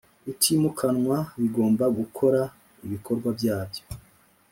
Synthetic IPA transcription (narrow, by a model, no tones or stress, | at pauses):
itimukʰanŋwaβiɡo̞ːmbaɡukʰo̞ɾa | iβikʰo̞ɾɡwabɟaːbjo